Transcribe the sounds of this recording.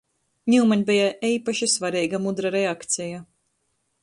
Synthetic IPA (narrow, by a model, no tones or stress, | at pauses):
ɲʲimaɲbijaiːpaʃisvaɾiːɡamud̪ɾaɾɛakt̪sɛja